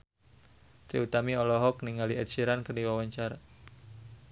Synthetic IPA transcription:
t̪ɾḭut̪amiɔlɔɦɔk̚niŋaliʔɛt̪̚t͡ʃiɾankərdiwawaɲt͡ʃaɾa

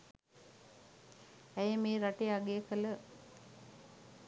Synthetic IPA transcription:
æjəmeːɾaʈeaɡejəkələ

